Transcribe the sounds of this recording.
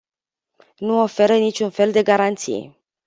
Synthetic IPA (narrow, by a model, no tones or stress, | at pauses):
nuofe̞ɾənit͡ʃʲunfe̞ld̪e̞ɡaɾant̪sḭjḛ